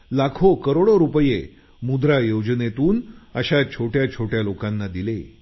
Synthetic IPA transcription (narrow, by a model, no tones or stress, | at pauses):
lakʰokəɾoɽoɾupəje | mud̪ɾajod͡ʑnet̪uːnəɕat͡ɕʰoʈjat͡ɕʰoʈjalokanːad̪ile